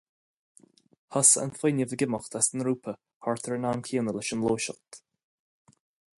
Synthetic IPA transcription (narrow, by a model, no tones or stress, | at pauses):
hɔsə̰nfɪnjəvəɡɪməxt̪ʰasənɾuːpʰə | hɔɹt̪ʰəɹənankʰiːənəlɪʃənloːʃə̰xt̪